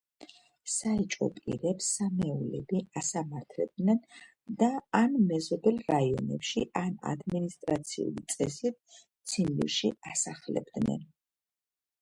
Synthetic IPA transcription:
sait͡ʃʼɔ̰pʼḭɾɛpsamɛulɛbiasamaɾt̪ʰlɛb̚d̪nɛn | d̪aːnmɛzɔbɛlˠɾaiɔ̰nɛ̰pʃiʔana̰d̪minist̪ʼɾat̪sʰiṵlit̪sʼɛsit̪̚ | t̪sʰinlḭɾʃiasaχlɛ̰bd̪nɛ̰n

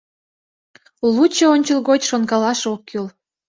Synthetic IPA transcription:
lut͡ɕəonʲt͡ɕəlˠɣot͡ɕʃonɡɑlɑʃokːyl

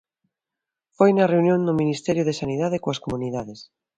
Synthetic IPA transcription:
fojnɐreunjõnd̪ʊminist̪ɛɾjʊðesaniðaðekoaskomuniðaðes

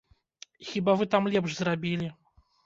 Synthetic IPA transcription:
xʲibavɨt̪amlʲɛpʂzrabʲilʲi

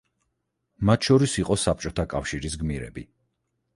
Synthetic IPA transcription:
mat̪ʰʃɔɾisiqʼɔsap̚t͡ʃʼɔt̪ʰakʼafʃiɾisɡmiɾɛ̰bi

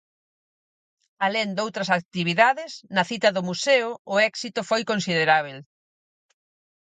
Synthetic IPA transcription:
alend̪owt̪ɾɐsak̚t̪iβ̞iðaðɪsnɐθit̪ɐðʊmuseʊʊɛksit̪ʊfojkõnsið̞eɾaβ̞el

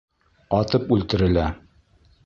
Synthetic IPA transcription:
ɒt̪ɤpʉlt̪ɘ̆ɾɘ̆læ

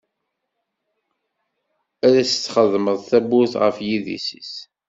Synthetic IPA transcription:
æɾæsə̥t͡sːχəðˤməðˤθæbʊθʁə̰fjiðḭsḭs

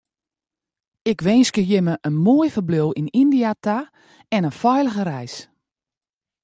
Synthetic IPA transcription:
ɪkʋɛːnskəjɪməʔənmoəjfərblowinindiata | ɛnəfɔjləɣəɾɛjs

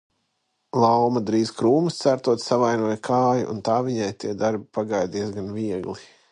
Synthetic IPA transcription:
lˠawmɐd̪ɾiːzkɾuːmust̪sæɾt̪uɔt̪ssavajnuɔjkʰaːjṵʔṵnt̪aːviɲajt̪iɛd̪aɾbipaɡajd̪izɡanviɛɡlˠi

